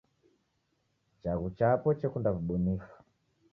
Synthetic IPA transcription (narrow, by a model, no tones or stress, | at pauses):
t͡ʃaɣut͡ʃapɔt͡ʃɛkundavuɓunifḁ